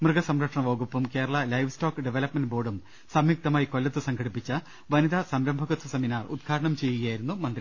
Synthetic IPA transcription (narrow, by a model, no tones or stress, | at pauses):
mrɨɡɐsɐmɾɐkʂɐɳɐʋoːɡupːɐmke̞ːɾɐɭɐlɐjʋstoːkɨɖeʋelɐpmenɖboːɖum | sɐmjuk̚t̪ɐmaːjiko̞lːɐt̪ːɨsɐŋɡʰʱɐɽipːit͡ɕːɐ | ʋɐnid̪ɐsɐmɾɐmbʱɐɣut̪ʰːɐseminaːrṵd̪̚ɡʰʱaːɾɐɳɐmt͡ɕe̞jːuɣɐjaːjiɾunːumɐnd̪ɾi